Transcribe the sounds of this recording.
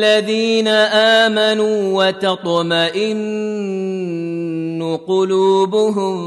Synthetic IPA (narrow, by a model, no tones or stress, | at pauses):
lːaðiːnaʔaːmanuːwɑt̪ɑt̪ˤmaʔɪn | ʊqʊluːbʊɦʊm